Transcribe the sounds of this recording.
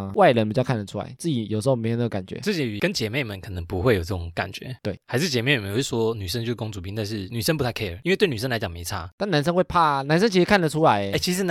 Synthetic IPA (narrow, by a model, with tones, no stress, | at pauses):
wa˥˩ɪlə˧˦npi˨t͡ɕɑ˥˧kʰnd̪ə˩ʈ͡ʂʰu˥la̰˧˦ɪt͡sɹ̩˥˩t͡ɕi˨˩jo˨˩ʂ̩˧˥o˥˧˩me˧˥jme˧˥˩ka˨˩nt͡ɕɥɛ̰˧˦t͡s̩˥˩t͡ɕi˧˥y˨˩kə˧˦nt͡ɕjɛ˧˥me˥˩ɪmə˨˦nkʰɤ˨˩nə˧˦ŋpu˧˥xwe˥˩ɪjo˨˩t͡sə˥˩ʈ͡ʂʊ̰˨˧˦ŋka̰˨˩nt͡ɕɥɛ̰˧˦t̪we˥˩ɪha˧˥ɪʂɻ̩˥˩t͡ɕjɛ˧˦me˥˩˨jʂɔ˥ny˨˩ʂə˥˦ŋt͡ɕjo˥˧˥ko˥ŋt͡su˨˩i˥˦t̪a˥˧nʂ̬ɻ̩˥˩ny˨˩ʂə˥npu˧˥tʰa˥˩ɪkʰe˥ə˨˩i˥nwe˥˧t̪n̬˨˩ə˥nla˧ɪt͡ɕɑ˨˩me˧˦ɪt͡sʰa˥˧t̪a˥˩na˧˦nʂ̬ə˥ŋxwe˥˧ɪpʰa˥˩na˧˥ns̬ə˥ŋt͡ɕʰi˧˥ʂɻ̩˧kʰa˥˩nlə˩ʈ͡ʂʰu˦˥la˧˦ɪ˧˦˥t͡ɕʰi˧˥ʂɻ̩˧˥